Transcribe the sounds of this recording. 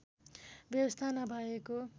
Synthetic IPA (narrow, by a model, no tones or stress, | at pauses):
bjʌbʌst̪ʰanabʱʌeko